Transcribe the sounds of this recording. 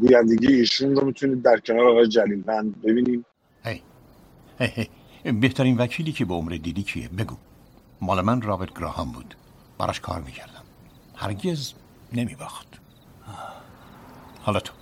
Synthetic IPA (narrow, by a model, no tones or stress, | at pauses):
ɡuːjænd̪eɟijeiːʃunɾomit̪ʰuniːd̪̚ːæɾcʰenɒːɾeɒːɣɒːjed͡ʒæliːlbænd̪be̞biːniːm | hej | hejhej | beht̪ʰæɾinvæcʰiːliːcʰebeomɾed̪iːd̪iːkʰḭḛbeɡṵ | mɒːlemænrɒːbet̪̚ɡ̥ɾɒ̰ːhɒmbṵːd̪̥ | b̥æ̰ɾɒ̰ʃkʰɒ̰ːɾmiːcʰæɾd̪̥æm | hæ̰ɾɟez | ne̞mibɒxt̪ | hɒːlɒt̪ʰo̥